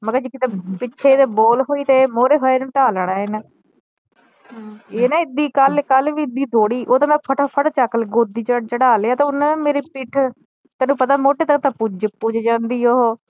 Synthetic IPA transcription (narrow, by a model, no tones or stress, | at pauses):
məɡəd͡ʒɪkɪt̪ẽpɪt͡ʃːʃʰeːt̪eːboːlɦoːiːt̪eːmoːɾeːɦoːeːnẽːʈaːlɳ̃aːen | eːnaːɪd̪iːkəlkəlʋiːɪd̪iːd̪oːɽiːʔoːt̪ãːmɛ̃ːpʰəʈʰaːpʰəɽt͡ʃəkːəlɡoːd̪iːt͡ʃt͡ʃəɽaːleːaːt̪eːʊñːmeːɾeːpiːʈʰ | t̪ɛːnũːpət̪aːmoːʈeːt̪əkt̪ãːpʊd͡ʒpud͡ʒd͡ʒãːnd̪iːoɦoː